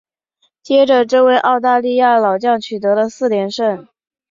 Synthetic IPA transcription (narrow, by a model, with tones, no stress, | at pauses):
t͡ɕjɛ˥ʈ͡ʂə˨ʈ͡ʂɤ˥˧we˥˧ɪʔɑ˥˧ʊt̪̬a˥˧li˥˧ja˥˩lɑ˨˩ʊt͡ɕjɑ˥˩ŋt͡ɕʰy˨˩t̪ɤ˧˥d̪ə˧sɹ̩˥˩ljɛ˧˥nʂə˥˩n